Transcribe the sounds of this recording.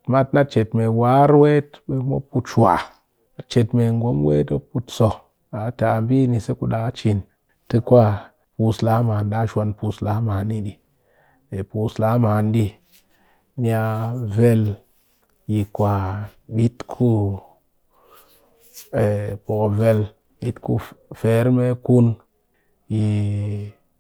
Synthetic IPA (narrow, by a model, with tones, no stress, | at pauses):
ma˦tna˦t͡ʃe˨tme˨wa˨˦ɾwe˦tɓe˧mo˦pu˧tʃwa̰˨ | t͡ʃe˨tme˨ŋ˨ɡo˨˦mwḛ˦to˦pu˧tso˨ | a˨˦ta˨m˦bi˦ni˧se˦ku˦ɗa˨˦t͡ʃi˨n | tɨ˧kʷa˦ | pu˧slaː˨˦ma˨nda˦ʃʷa˧npu˧sla˨˦maː˨nːi˦ɗi˧˨ | e˨pu˨sla˨˦maː˨ndi˦ | mi˦a˧ve˦l | ji˨kʷa˨ɓi˦tkʰu˦ | e˨po˨kve˧l | ɓi˦tku˦fe˨˦ɾme˦ku˦n | ji˨